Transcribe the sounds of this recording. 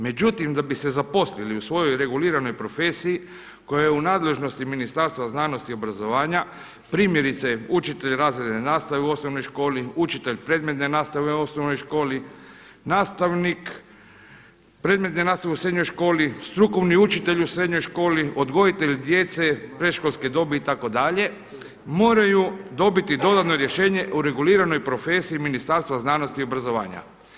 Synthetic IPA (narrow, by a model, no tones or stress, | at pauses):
me̞d͡ʑut̪imd̪abise̞zapo̞sliliusʋo̞jo̞jɾe̞ɡuliːɾano̞jpɾo̞fe̞ːsiji | ko̞jajeunaːd̪le̞ʒno̞st̪iminist̪aɾst̪ʋaznaːno̞st̪io̞bɾazo̞ʋaːɲa | pɾiːmje̞ɾit̪seut͡ʃit̪eʎɾaːzɾed̪nenaːst̪aʋeuo̞snoʋno̞jʃko̞ːliut͡ʃit̪e̞ʎpɾe̞ːd̪me̞t̪nenaːst̪aʋeeosnoʋno̞jʃko̞ːli | naːst̪aʋnik | pɾe̞d̪met̪nenaːst̪aʋeusɾe̞d̪ɲo̞jʃko̞ːlist̪ɾuko̞ʋniut͡ʃit̪e̞ʎusɾe̞d̪ɲo̞jʃko̞ːliʔo̞d̪ɡo̞it̪e̞ʎd̪je̞t̪se̞pɾe̞ʃkolˠsked̪o̞beit̪ako̞d̪aʎe̞ | mo̞ːɾajud̪o̞bit̪id̪o̞d̪at̪no̞ɾje̞ʃe̞ːɲe̞ʔuɾe̞ɡuliːɾano̞jpɾo̞fe̞ːsiiminist̪aɾst̪ʋaznaːno̞st̪io̞bɾazo̞ʋa̰ːɲa̰